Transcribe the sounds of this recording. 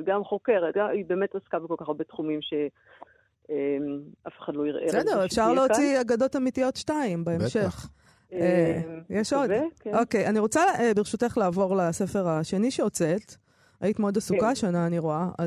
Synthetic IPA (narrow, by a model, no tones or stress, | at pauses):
ɡamχokeʁet̚ɡaibeːmetaskabikolkaχaɐbet̪χumimʃe | emafe̥χadlojiʁʔesdeʁefʃaʁleot͡siaɡad̪o̞tamitijo̞tʃtaimbaemʃeχ | ejeʃo̞dkʔo̞kejaniʁot͡sabeʁʃuteχlaːvo̞ʁlase̞feʁaʃe̞niʃeot͡set | ajit̪meod̪asukaʃanaːniʁoaa̰